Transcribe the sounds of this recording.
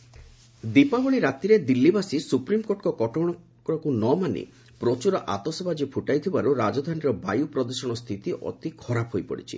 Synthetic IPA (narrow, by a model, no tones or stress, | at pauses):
d̪ipabɔɭiɾat̪iɾed̪ilːibasisupɾimkoɾʈkɔkɔʈɔɽ̃ɔ | kɔɽɔkunɔmanḭ | pɾɔt͡ʃuɾɔʔat̪ɔsɔbad͡ʒipʰuʈajt̪ʰibaɾuɾad͡ʒɔd̪ʱaniɾɔba̰jupɾɔd̪ɔsɔɽ̃ɔst̪ʰit̪iʔɔ̰t̪ikʰɔɾapɦojpɔ̰ɽḭt͡ʃʰḭ